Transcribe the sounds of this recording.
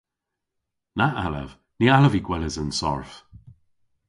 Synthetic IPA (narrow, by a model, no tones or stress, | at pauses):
naʔalə̰v | nialəviɡwɛləzənsɔ̰ɹf